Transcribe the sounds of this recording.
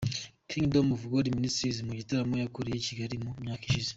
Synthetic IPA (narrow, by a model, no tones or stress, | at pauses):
kʰiŋdomuvuɡodiministɾizimuɟitaɾamojakuɾijeciɡaɾimumjaːkiʃize